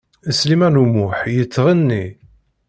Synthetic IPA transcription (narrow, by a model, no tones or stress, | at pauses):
əslimænumʊħjət͡sːʁənːi